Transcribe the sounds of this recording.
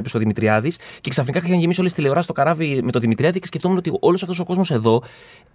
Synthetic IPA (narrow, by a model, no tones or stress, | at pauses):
peso̞ðimit̪ɾiɐðisceksɐfnikɐxɐɐɲʝemisolist̪ile̞oɾɐst̪o̞kɐɾɐvime̞t̪oðimit̪ɾiɐðisce̞sce̞ft̪omenot̪io̞loɐft̪oso̞ko̞zmo̞se̞ðo̞